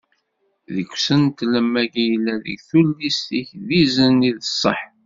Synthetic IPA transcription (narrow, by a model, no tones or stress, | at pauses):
ðəkʷːsənt̪ləmːæɡijəlːæðə̰ɡθulːist̪içðizəniðəsˤːə̰ħ